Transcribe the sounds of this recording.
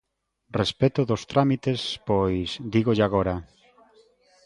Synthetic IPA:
respet̪ʊðost̪ɾamit̪espojsd̪iɣoʎaɣ̞oɾa

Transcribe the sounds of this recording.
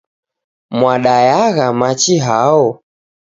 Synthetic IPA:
mwaɗajaɣamat͡ʃiɦaɔ

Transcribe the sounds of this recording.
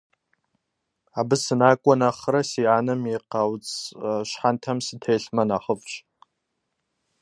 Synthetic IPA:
abɨsɨnaːkʷʼɔnaχɾasiʕanɨmiqawt͡sʼʃħantʰamsɨtʰejɬmanaχəvʃʼ

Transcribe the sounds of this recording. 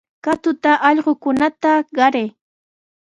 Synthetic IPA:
kat̪ʊt̪aʔɑʎɢokʊnat̪aɢɑɾej

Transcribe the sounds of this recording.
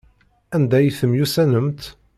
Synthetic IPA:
ænd̪æjθəmjusænəmt̪

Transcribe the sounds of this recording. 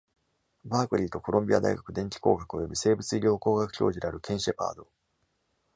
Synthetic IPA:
baːkɯ̟ɾʲiːt̪o̞ko̞ɾõmbʲia̰d̪a̰iɡakɯ̟d̪ẽɲt͡ɕi̥ko̞̰ːɡakɯ̟o̞jo̞bʲise̞ːbɯ̟t͡sɨiɾʲo̞ːko̞ːɡakɯ̟̥çʲo̞̰ːʑid̪e̞aɾɯ̟kʰẽ̞ɰ̃ɕepa̰ːd̪o̞

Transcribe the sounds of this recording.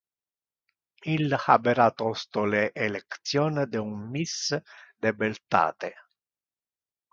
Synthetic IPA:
ilxa̰beɾat̪ɔst̪oleʔːlekt̪sjɔːnd̪eunmisd̪ebelt̪a̰ːt̪e

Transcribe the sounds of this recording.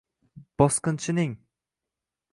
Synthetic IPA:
b̥ɒsqɨnt͡ʃʰɪnɪŋ

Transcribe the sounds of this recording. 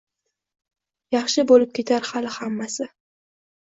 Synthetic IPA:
jɑχʃɪbolɪp̚kʲʰe̞t̪ʰaɾhalɪhamːasɪ

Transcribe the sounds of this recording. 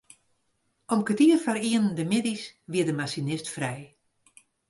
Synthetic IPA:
ɔmkətiərfariənndəmɪdisʋiədəmasinɪstfrɛj

